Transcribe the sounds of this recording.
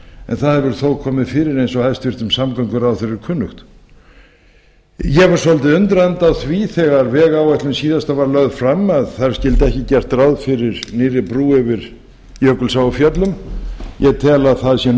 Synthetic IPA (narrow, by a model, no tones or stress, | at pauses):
ɛ̰nθaðhɛvʏɾθowðkʰɔːmɪðfɪɾɪɾejnsɔhaðst̪vɪɾ̥t̪ʏmsamkaŋkʏɾawθɛɾɪɾkʰʏnːʏxt̪ | jɛɣvaɾ̥sɔlt̪ɪʏnt̪ɾɛnt̪awθviθɛɣaɾvɛːɣawɛht̪lʏmsiːðast̪avaɾlœɣðfɾamːaðθaɾ̥scɪlt̪ɛhcɪcɛr̥t̪ɾawðfɪɾɪɾnɪːrɪpɾuːɛvɪɾ | jœkʏlsawʏfjœt̪lʏmjɛɣt̪ʰɛːlaðθaðsjɛn